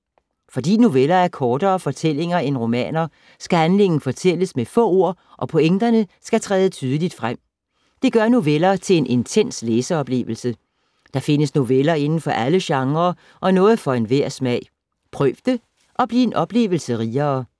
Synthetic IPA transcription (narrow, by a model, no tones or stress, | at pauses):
fɒ̽d̥ḭːno̝ʋelɐæɐkʰɒːd̥ɐːfɒ̽t͡sʰel̰e̝ŋɐenʁo̝mɛ̰ːnɐ | sɡ̥æænle̝ŋ̰n̩fɒ̽t͡sʰel̰əsmefɔ̰̽ːo̝ɐ̰ | ʔɒ̽pʰoeŋd̥ɐnəsɡ̥æt͡sʰʁɛːð̞ˠət͡sʰyːð̞ˠəlid̥fʁam̰ | d̥e̝ɡ̥ɶɐno̝ʋelɐt͡sʰe̝e̝nʔe̝nt͡sʰen̰sleːsɐɒ̽b̥le̝̰ːʋl̩sə | d̥ɑ̈fe̝nəsno̝ʋelɐe̝nn̩fɒ̽ʔæləɕɑ̈ŋʁɐː | ʔɒ̽nɔ̽ːð̞̩ˠfɒ̽e̝nʋeɐ̰smɛ̰ɪ̰ | pʰʁœʋd̥ə | ʔɒ̽b̥lie̝nʔɒ̽b̥le̝̰ːʋl̩səʁiːɐː